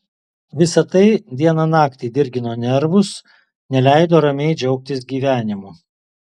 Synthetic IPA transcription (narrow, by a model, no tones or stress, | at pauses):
ʋʲɪsɐt̪ɐɪd̪ʲiɛnɐnɑːkt̪ʲeːd̪ʲɪɾʲɡʲɪnoːnʲɛɾʋʊs | nʲɛlʲæˑɪd̪oːɾɐmʲɛɪd͡ʒʲɛʊk̚t̪ʲɪsɡʲiːʋʲæːnʲɪmuː